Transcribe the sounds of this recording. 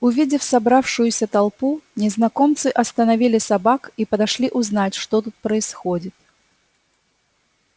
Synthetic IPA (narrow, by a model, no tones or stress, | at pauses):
uvʲid͡zʲɛfsabɾawʂujusʲɐt̪alˠpunʲɛznakɔmt̪sɨʔɐst̪ɐnavʲilʲisabakipɐd̪aʂlʲiʔuznat͡sʲʂt̪ɔt̪ut̪̚pɾɐisxɔd͡zʲit͡s̪ʲ